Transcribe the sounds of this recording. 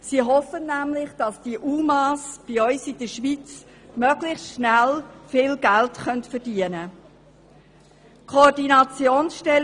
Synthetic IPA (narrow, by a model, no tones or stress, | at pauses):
siːɦɔfənːæmlɪχd̥ɑsd̥iəʔuːmɑːsb̥iœʏsid̥əʃʋit͡s | mœɡlɪxstʃnælfɪːlɡ̥æltχœntfəɾdiənə | kʰodinɑt͡sjoːnsʃtɛl